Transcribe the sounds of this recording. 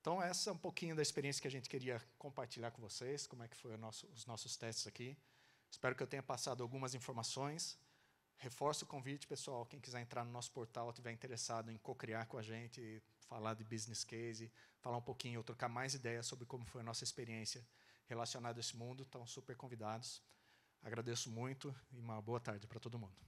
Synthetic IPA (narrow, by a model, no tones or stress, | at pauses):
ẽnt̪ɐ̃w̃ɛsɐɛũpokĩɲʊd̪ɐispeɾiẽsjɐkɪaʒẽnt͡ʃ̪ɪ̥keɾiɐkõpaɾt͡ʃilʎaɾkõvoseskõmʊɛkɪ̥fojʊnɔsʊːznɔsʊst̪ɛst͡ʃ̪ɪz̥aki | ɪspɛɾʊkɪewt̪ẽɲɐpasad̪ʊawɡũmɐzĩfoɾmasõj̃s | hefɔɾsʊkõvit͡ʃɪ̥pesuawkẽj̃kizɛɾẽnt̪ɾaɾnʊnɔsʊ̥poɾt̪awt̪ivɛɾĩt̪eɾesad̪ʊẽkokɾiaɾkõaʒẽnt̪ɪ | falad̪ɪbiznɪskejzɪfalaũpokĩɲʊewt̪ɾokaɾmajzid̪ɛjɐsobɾɪkõmʊfojɐnɔsɐispeɾiẽsiɐhelasionad̪ʊesɪmũnd̪ʊt̪ɐ̃w̃supeɾkõvid̪ad̪ʊs | a̰ɡɾad̪esʊmũj̃t̪ʊɪũmɐboɐt̪aɾd͡ʒɪpɾɐt̪od̪ʊmũnd̪ʊ